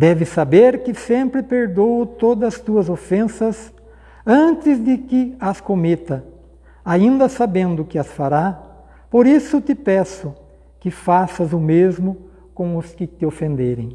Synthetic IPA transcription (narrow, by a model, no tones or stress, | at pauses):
d̪ɛvɪsabeɾkɪsẽmpɾɪpeɾd̪owʊt̪od̪ɐst̪uɐzofẽsɐz | ɐ̃nt̪ɪzd̪ɪkɪɐskomet̪ɐ | aĩnd̪ɐsabẽnd̪ʊkɪɐsfaɾa | poɾisʊt̪ɪpɛsʊ | kɪfasɐzʊmezmʊ | kõw̃ʊskɪt̪ɪofẽnd̪eɾḛ̃j̃